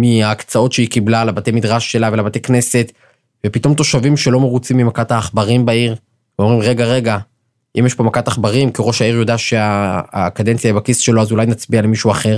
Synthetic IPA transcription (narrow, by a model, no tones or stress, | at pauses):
miaːkt͡sao̞tʃeikiblalabate̞jmidʁaʃːe̞lavelabate̞jkne̞se̞t | vepito̞mt̪̬o̞ʃavimʃe̞lo̞me̞ʁut͡simːimakataːχbaʁimbaiʁ | veomʁimʁe̞ɡaʁe̞ɡa | ʔimjeʃpo̞makataχbaʁimkiʁo̞ʃhaiʁjo̞daʃeakade̞nt͡sijajibakisʃe̞loazulajnat͡sbialemiʃuaχe̞ʁ